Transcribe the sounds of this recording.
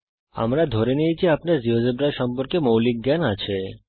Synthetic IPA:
a̰mɾad̪ʱoɾenijt͡ɕʰiapnaɾd͡ʑiɦod͡ʒebɾaɾʃɔmpoɾkemowlik̚ɡanat͡ɕʰe

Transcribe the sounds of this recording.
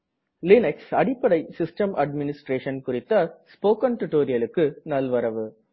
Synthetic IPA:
lɪnɐksɐɽɪpːɐɽɐɪsɪsʈɐmʔɐɖmɪnɪsʈɾeːʂɐnkʊrɪt̪ːɐspoːkɐnt̪ʊʈːoːɾɪjɐlɯkːɯnɐlʋɐɾɐʋɯ

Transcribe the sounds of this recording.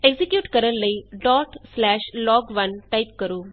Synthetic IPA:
eɡzɪkjuːʈkəɾənləiːɖɔːʈslɛːʃlɔːɡʋɐnʈaɪp̚kəɾoː

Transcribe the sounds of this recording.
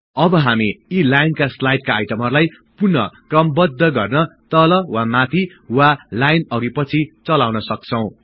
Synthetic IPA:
ʌbʌɦamiilajnkaslajʈ̚kaːjʈʌmɦʌrlaj | purnʌ̰kʌmbʌd̪ʱːʌɡʌrnʌt̪ʌlʌwamat̪ʰi | walajnʌɡipʌt͡sʰit͡sʌlawnʌsʌk̚t͡sʰʌw̃

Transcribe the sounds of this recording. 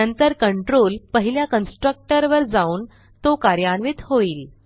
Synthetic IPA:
ənt̪əɾkəɳʈɾoːlpəɦiljakənsʈɾək̚ʈəɾʋəɾd͡zauːn | t̪okaɾjaɳʋit̪hoiːl

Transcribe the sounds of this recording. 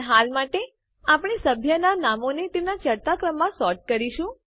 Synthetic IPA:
ɦalmaʈe | apɳisəbʱjənanamonet̪enat͡ʃəɾt̪akɾəmːãsɔɾʈ̚kəɾiʃũ

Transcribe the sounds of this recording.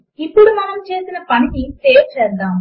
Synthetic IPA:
ipːuɽumɐnɐmt͡ʃe̞ːsinɐpɐɳiʈiseːɾt͡ʃɛːd̪aːm

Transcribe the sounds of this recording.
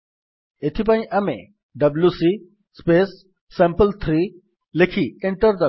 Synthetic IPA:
et̪ʰip̬ãːĩʔɐmḛ̃ | ɖɐbljusi | speːsː | ẽmpəlt̪ʰɾi | lekʰiɪ̃ɳʈəɾd̪ɐ

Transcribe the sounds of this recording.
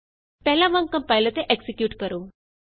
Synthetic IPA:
p̪ɛɦlaʋəŋkəmpajlət̪eʔeksikjuːʈkəɾoː

